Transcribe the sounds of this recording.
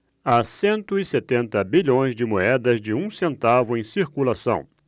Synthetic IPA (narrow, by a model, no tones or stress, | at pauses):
asẽnt̪ʊɪset̪ẽnt̪ɐbiʎõj̃zd͡ʒɪmoɛd̪ɐzd͡ʒɪũsẽnt̪avʊẽj̃siɾkulasɐ̰̃w̃